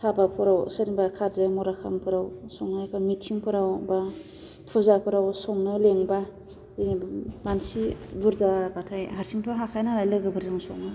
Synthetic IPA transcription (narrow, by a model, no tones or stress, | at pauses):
tʰabapʰɔɾawsɯɾibakʰaɾzɯmɔɾakʰa̰mpʰɯɾawsɔŋnɯkʰɯmitʰiŋpʰɯɾawba | pʰuzapʰɯɾawsɔŋnɯleŋba | mansibuɾzabatʰajɦaɾsiŋtʰɔɦakʰajnaɾajlɯɡɯbɯɾzaŋsɔ̰ŋnɯ